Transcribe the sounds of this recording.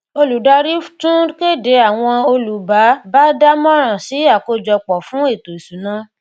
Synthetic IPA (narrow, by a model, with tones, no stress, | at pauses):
o˧lu˨da˨˧ɾi˦tũ˦ke˦˨de˨˦a˨w̃ɔ̃˧o˧lu˨ba˨˦ba˦da˦mɔ̃˦ɾ̃ã˨si˨˦a˦˨ko˧d͡ʒɔ˧k͡pɔ˨fũ˨˦e˦˨to˨i˨su˨˦nã˦